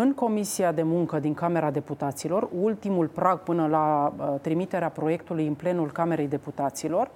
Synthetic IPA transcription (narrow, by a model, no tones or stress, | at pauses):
ɨŋko̞misiad̪e̞muŋkəd̪iŋkame̞ɾad̪e̞put̪at̪silo̞rult̪imulpɾaɡ̚pɨnəlat̪ɾimit̪e̞ɾeapɾo̞je̞kt̪ulujɨnple̞nulkame̞ɾe̞jd̪e̞put̪at̪silo̞r